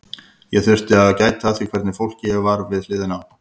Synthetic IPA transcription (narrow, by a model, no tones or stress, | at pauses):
jɛɣθʏr̥t̪ɪaðcaːjt̪θaðsikʰvɛɾt̪nɪfowl̥cɪjvaɾvɪðlɪːðɪnaw